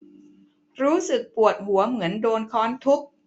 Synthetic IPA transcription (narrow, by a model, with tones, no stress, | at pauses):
ɾuː˦˥sɯ˨˩k̚pu˨˩ət̪̚hu˩˦ɐmɯ˩˦əndoː˧nkʰɔː˦˥nt̪ʰu˦˥k̚